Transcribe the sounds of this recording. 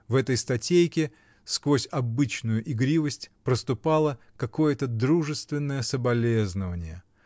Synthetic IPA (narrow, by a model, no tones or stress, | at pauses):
vɛt̪əjst̪ɐtʲejkʲɪ | skvosʲɐbɨt͡ɕnʊjʊʔɪɡɾʲivəsʲtʲpɾəst̪ʊpɑlˠə | kɐko̞jət̪əd̪ɾuʐɨst̪vʲɪnːəjəsəbɐlʲeznəvənʲɪjə